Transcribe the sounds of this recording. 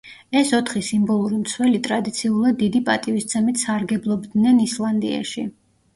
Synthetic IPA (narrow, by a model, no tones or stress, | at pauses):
ɛsɔt̪ʰχisimbɔlˠuɾimt̪sʰwɛlit̪ʼɾad̪it̪sʰiulˠad̪ːid̪ipʼat̪ʼivist̪sʰɛmit̪ʰsaɾɡɛblˠɔbd̪nɛnislˠand̪ia̰ʃi